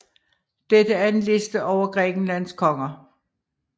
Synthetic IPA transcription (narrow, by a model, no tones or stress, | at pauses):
d̥ed̥əæɐe̝nle̝sd̥əʔɒʊ̰ɐɡ̥ʁɛːɡ̥n̩læn̰skʰɒ̽ŋɐ